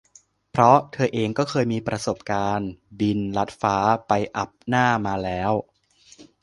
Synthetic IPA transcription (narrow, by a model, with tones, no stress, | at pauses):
pʰɾɔ˦˥t̪ʰɤː˧ʔeː˧ŋkɔː˥˩kʰɤː˧jmiː˧pɾa˧so˨˩p̚kaː˧nbi˧nla˦˥t̪̚faː˦˥pa˧jʔa˨˩p̚naː˥˩maː˧lɛː˦˥w